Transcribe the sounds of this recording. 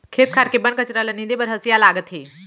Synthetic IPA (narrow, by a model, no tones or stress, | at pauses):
kʰet̪̚kʰaɾkebənkət͡ɕɾalənid̪ebəɾɦəsjalaɡət̪ɦe